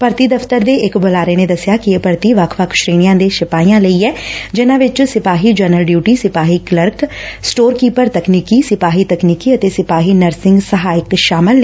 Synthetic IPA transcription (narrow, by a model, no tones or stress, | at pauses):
pəɾt̪iːd̪əft̪əɾd̪eːʔɪkbolaːɾeːneːd̪əsɪjaːkieːpəɾt̪iʋəkʰʋəkʰʃɾeːɽ̃ijãːd̪eːʃɪpaːiːãːləiːɛːd͡ʒɪnãːʋɪt͡ʃsɪpaːɦiːd͡ʒɛːnəlɖjuːʈiːsɪpaːɦiːkləɾksʈoːɾkiːpəɾt̪əkniːkiːsɪpaːɦiːt̪əkniːkiːət̪eːsɪpaːɦiːnəɾsɪ̃ŋɡsəɦaːɪkʃaːmɪlː